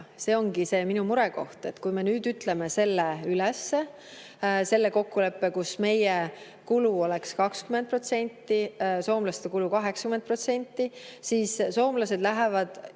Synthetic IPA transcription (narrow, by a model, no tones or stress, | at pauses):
se̞ːo̞ŋɡise̞ːminumuɾe̞ko̞ht̪e̞t̪ːkujme̞nyːd̪yt̪le̞me̞se̞lːeylesːe | se̞lːe̞ko̞kːule̞pːe̞kusme̞je | kuluo̞le̞kskɑkskymend̪̚pro̞t̪se̞nʲt̪ˑːiso̞ːmlɑst̪ekulukɑɦe̞ksɑ̥kyment̪̚pro̞t̪se̞nʲt̪ːˑisiːsso̞ːmlɑse̞d̪̥læɦevɑd̪̥